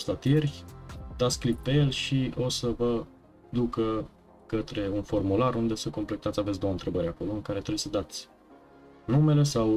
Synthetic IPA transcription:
st̪at̪ie̞rʲd̪at̪sʲklippe̞je̞lʃio̞səvə | d̪ukə | kət̪ɾe̞unfo̞rmularund̪e̞səko̞mplekt̪at̪sʲavesʲd̪o̞wənt̪ɾe̞bəɾʲako̞lo̞ɨŋkaɾe̞t̪ɾejsəd̪at̪sʲ | nume̞le̞saw

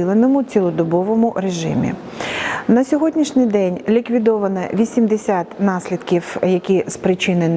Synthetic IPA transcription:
lˠenɔmʊt͡sʲilˠɔd̪ɔbɔʋɔmʊɾeʒɪ̰mʲḭ | nɐsʲɔɦɔdʲnʲiʃnʲɪjd̪ɛnʲlʲikʋʲid̪ɔʋɐnɐʋʲisʲimd̪esʲat̪nɑsʲlʲid̪kʲiwjɐkʲizpɾɪt͡ʃɪnen

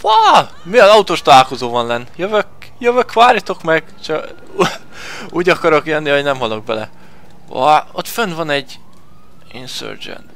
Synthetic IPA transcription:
vɒ | miɒzɒut̪oːʃt̪ɒlaːlko̞zoːvɒnlɛnːjøvøk̚ | jøvøkʋaːɾjɒt̪o̞kmɛɡ | t͡ʃɒ | uːɟɒkɒɾo̞kjønːihoɟnɛmɦɒlo̞ɡ̚bɛlɛ̰ | ɒ̰o̰t̪fønd̪vɒnɛɟː | insø̰ːrd͡ʒɛ̰n

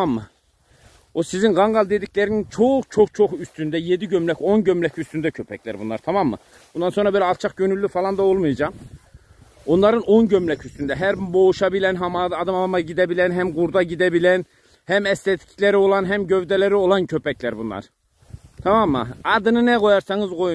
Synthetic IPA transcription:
mːɯ | osizinʁɑŋɡɑlˠd̪e̞d̪icʰlæɾinint͡ʃʰoχt͡ʃʰo̞χt͡ʃʰo̞χyst̪ynd̪æjed̪iɟømlæco̞nɟømlæcʰyst̪ynd̪æcʰø̞pʰæcʰlæ̰ɾbunlˠɑ̰ɾt̪ʰɑmɑmːɯ̰ | bund̪ɑnso̞nɾɑbelʲɛɑlˠt͡ʃʰɑχɟønylʲːyfɑlˠɑnd̪aolˠmujd͡ʒɑm | onlˠɑɾɯnonɟømlæcʰyst̪ynd̪æɦæɾbo̞uʃɑbilænɦɑmɑɑd̪ɯmɑmɑɟid̪æbilænɦæmɡuɾd̪ɑɟid̪æbilæn | hæmæst̪ɛt̪ʰi̥cʰlæɾio̞lˠɑnɦæmɟøvd̪ælæɾio̞lˠɑncʰøpʰæcʰlæɾbunlˠɑ̰ɾ | t̪ʰɑmɑmːɯ̰ɑd̪ɯnɯnɛɡo̞jɑɾsɑŋɯzɡoj

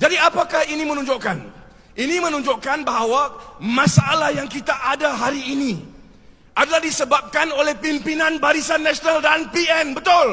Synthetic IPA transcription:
d͡ʒadiapakahinĩmə̃nũɲd͡ʒoʔkan | ʔinĩmə̃nũɲd͡ʒoʔkanbaɦawamãsaʔalahjaŋkit̪aʔadaɦaɾiːnĩ | ʔadalahdisəbap̚kanolɛhpimpinãnbaɾisanːãsonaldanpiɛnbət̪ʊl

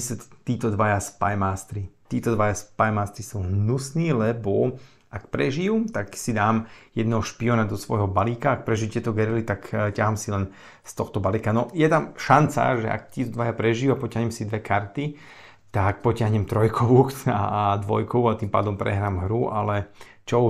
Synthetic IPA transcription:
isɛt̪iːt̪ɔd̪ʋajaspajmaːst̪ɾit̪iːt̪ɔd̪ʋajaspajmaːst̪ɾisuɦnusniːlɛbɔ | akpɾɛʒijuːt̪aksid̪aːmjɛd̪nɛɦɔʃpiɔnad̪ɔsʋɔ̰jɦɔbaliːkaːk̚pɾɛʒijut̪ɛt̪ɔɡɛɾilit̪akcaɦamsilɛn | st̪ɔxt̪ɔbalikanɔjɛt̪amʃant͡sa̰ʒɛ̰ʔa̰k̚t̪iːt̪ɔd̪ʋajapɾɛʒijuapɔcaɦɲɛmsid̪ʋɛkaɾt̪i | t̪ak̚pɔcɪaɦɲɛmt̪ɾɔjkʰɔʋuːka̰d̪ʋɔ̰jkɔʋuat̪iːmpa̰ːd̪ɔmpɾɛ̰ɦɾaːmɦɾuʔa̰lɛ | t͡ʃɔ

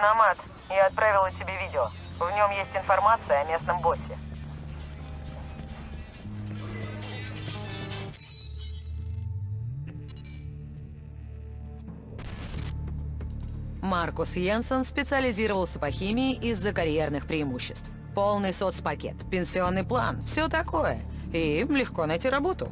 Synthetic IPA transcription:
nɐmat̪ | jɐt̪̚pɾavʲɪlˠətʲɪbʲevʲidʲɪo | vnʲo̞mjesʲtʲɪnfɐrmat̪sɨjəɐmʲe̞snəmbo̞sʲɪ | markʊsjensənspʲɪt̪sɨəlʲɪzʲiɾəvəlˠsʲəpɐxʲimʲɪɪʔɪzːəkɐɾʲjernɨxpɾʲɪɪmuɕːɪst̪f | po̞lˠnɨjsot̪spɐkʲḛt̪pʲɪnʲsʲɪo̞nːɨjplˠa̰nfsʲot̪ɐko̞jə̰ | imlʲɪxko̞nɐjtʲiɾɐbo̞t̪ʊ̰

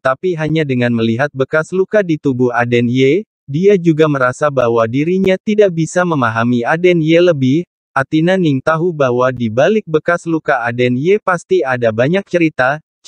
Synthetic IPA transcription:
t̪apiɦaɲadəŋanməliɦat̪̚bəkaslukadit̪ubʊhadɛnje | diad͡ʒuɡaməɾasabahwadiɾiɲat̪idaʔ̚bisaməmaɦamiadɛnjeləbɪh | ʔat̪inaniŋt̪aɦubahwadibalɪk̚bəkaslukaadɛnjepast̪iadabaɲak̚t͡ʃəɾit̪a

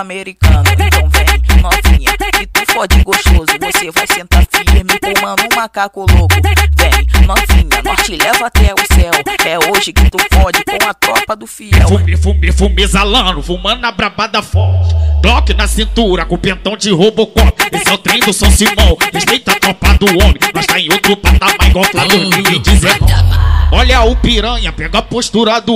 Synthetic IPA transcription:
ameɾikɐ̃nʊẽnt̪ɐ̃w̃vẽj̃mɐ̃vĩɲɐkɪt̪ufɔd͡ʒiɡoʃt̪ozʊvosevajsẽnt̪aɾfiɾmɪkõmɐ̃nd̪ʊũmakakʊlokʊ̃vẽj̃nɐ̃vĩɲɐnɔst͡ʃɪlɛvɐat̪ɛʊsɛwɛoʒɪkɪt̪ufɔd͡ʒɪkõw̃ɐt̪ɾɔpɐd̪ʊfiɛɛwfumefumefumezalɐ̃nʊfumɐ̃nʊnabɾabad̪ɐfɔɾt͡ʃɪt̪ɔkɪnɐsĩnt̪uɾɐkõpẽnt̪ɐ̃w̃d͡ʒɪɦobokɔpezawt̪ɾẽj̃d̪ʊsɐ̃wsimɐ̃w̃eʃt̪ẽj̃t̪at̪ɾopad̪ʊõmẽj̃nɔ̃ʃt̪aẽj̃owt̪ɾʊpat̪amajɡɔpad̪uiĩd͡ʒizen | ɔʎɐupiɾɐ̃ɲɐpɛɡapoʃt̪uɾad̪u

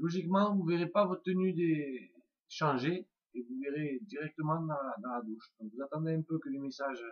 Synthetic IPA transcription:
lɔʒikmɑ̃vuveʁepavɔt̪t̪ənyd̪e | ʃɑ̃ʒe | evuveʁed̪iʁɛk̚t̪əmɑ̃d̪ɑ̃lad̪ɑ̃lad̪uʃd̪ɔ̃ŋkvuzat̪ɑ̃d̪eɛ̃pøkəlemesaʒ

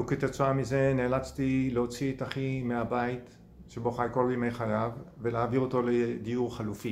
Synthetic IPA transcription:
uket̪et͡soamize̞neːlat͡st̪ileo̞t͡sietaχimeabait | ʃeboχajko̞lbimejχaʁavve̞leaviʁoto̞led̪iuʁχalufi

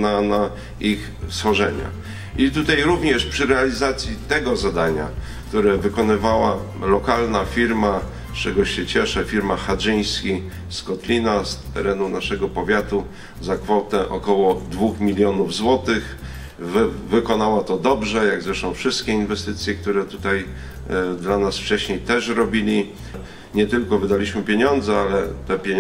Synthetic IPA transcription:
nana | ix | sfɔʐɛɲa̰ | ʔit̪ut̪ajɾuvɲɛʂpʂɘɾɛalʲizat̪sʲjit̪ɛɡɔzad̪aɲa̰ | kt̪uɾɛvɘkɔnɘvawa | lɔkalnafʲiɾma | st͡ʂɛɡɔɕɛt͡ɕɛʂɛfʲiɾmaxaʐɘj̃skʲi | skɔt̪lʲinast̪ɛ̰ɾɛnunaʂɛɡɔpɔvʲjat̪u | zakfɔt̪ɛʔɔkɔwɔd̪vuxmʲilʲjɔnuvzwɔt̪ɘx | vvɘkɔnawat̪ɔd̪ɔbʐɛjaɡzɾɛʂt̪ɔ̃w̃fʂɘst̪̚kʲɛinvɛst̪ɘt̪sʲjɛk̚t̪uɾɛt̪ut̪aj | d̪lanasft͡ʂɛɕɲejt̪ɛʂɾɔbʲilʲi | ɲɛt̪ɘlkɔvɘd̪alʲiɕmɘpʲjeɲɔnd̪zɛalɛt̪ɛpʲe

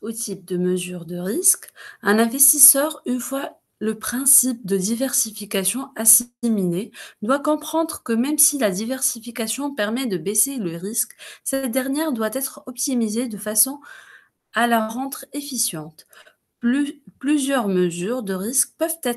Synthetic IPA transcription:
ot̪ʰip̚d̪əməzyʁd̪əʁiskɛ̃nɛ̃vɛst̪isœʁynfwa | ləpχɛ̃sip̚d̪əd̪ivɛʁsifikasjɔ̃asimined̪wakɔ̃pχɑ̃d̪ʁəkəmɛmsilad̪ivɛʁsifikasjɔ̃pɛʁmɛd̪əbeseləʁisksɛt̪̚d̪ɛʁnjɛʁd̪wat̪ɛt̪χɔp̚t̪imized̪əfasɔ̃ | alaʁɑ̃t̪χefisjɑ̃t̪ | plyzjœʁməzyʁd̪əʁisk̚pœvt̪ɛt̪

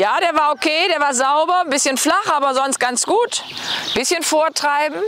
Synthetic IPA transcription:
jaːdeːɐvaːɐokʰeːdeːɐvaːɐzaʊbɐnbɪsçənflaχʔaːbɐzɔnst̚ɡ̥ant͡sɡ̥uːtb̥ɪsçənfoːɐtʁ̥aɪbm̩

